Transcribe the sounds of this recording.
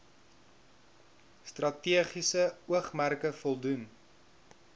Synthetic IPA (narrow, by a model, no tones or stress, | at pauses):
strɐtiəχisəuəχmærkəfɔlˠdun